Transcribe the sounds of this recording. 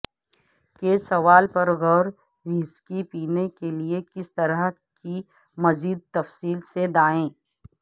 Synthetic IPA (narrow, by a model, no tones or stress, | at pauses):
keːsɐʋaːlpɐɾɣɔɾ | ʋiːskipiːnekeliekɪst̪ɐɾə | ki | mɐziːd̪̚t̪ɐfsiːlsed̪aːẽː